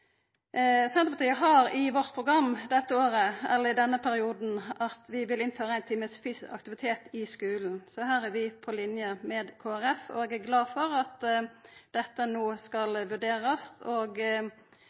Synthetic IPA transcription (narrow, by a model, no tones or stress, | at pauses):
sɛnəpɑt̪iːəɦɑɾɪʋɔʁt̪̚pʰɾʊɡɾɑmːd̪ɛt̪ːəoːɾəɛ̰lːəɪd̪ɛnːəpʰæɾɪuːd̪n̩ʔɑt̪ʋɪʋɪlɪnføːɾəæɪnt̪ʰiːməsfyːsɪɑ̰k̚t̪ɪʋɪt̪ʰeːt̪ɪskʉːln̩sɔhæːɾæɾʋɪpʰɔlɪnjəmɛːd̪kʰoːæɾɛfɔ̰ɛɡæɾɡlɑːd̪fɔɾɑt̪ | d̪̥ɛt̪ːənoːskɑlʋʉɖeːɾɑst̪ʰoːɡ